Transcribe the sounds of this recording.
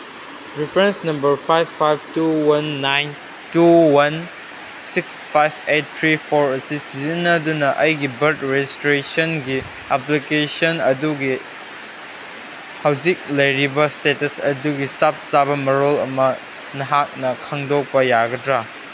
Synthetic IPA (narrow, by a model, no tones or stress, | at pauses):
ɾipʰɾensnɐmbɐɾpʰajbʰajb̚tuwɐnːajn | tuwɐn | sikspʰajbet̚t̪ʰɾipʰoɾɐsisizinɐdunɐʔɐjɡibɐɾt̚ɾed͡ʒistɾesonɡi | aplikesonɐduɡi | hawzik̚lɐjɾibɐstetɐsɐ̰duɡisap̚sabɐmɐɾolɐ̰mɐ | nɐɦak̚nɐkʰaŋdok̚pɐjaɡɐdɾa